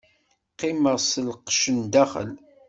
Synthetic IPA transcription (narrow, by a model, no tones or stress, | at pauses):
qːɪməʁsəlqʃənd̪æχə̰l